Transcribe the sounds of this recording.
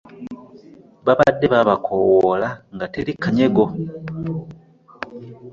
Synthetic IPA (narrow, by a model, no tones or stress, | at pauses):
βaβadːe̞βaβakʰowolaŋɡatelikʰːaɲe̞ɡo